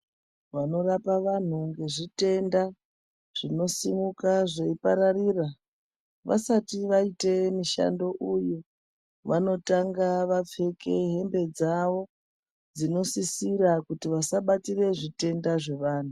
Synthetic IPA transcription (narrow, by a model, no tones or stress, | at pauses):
ʋano̞rapaʋan̤uŋɡe̞ʐite̞nda | ʐ̥ino̞simukaʐeipaɾariːra | ʋa̰satiʋaite̞miʃa̰ndo̞ʔujo | ʋano̞taŋɡaʋap͡fe̞ke̞ɦe̞mbe̞d͡zaʋo̞ | d͡zino̞sisirakutiʋasaɓatire̞ʐite̞ndaʐe̞ʋaːn̤u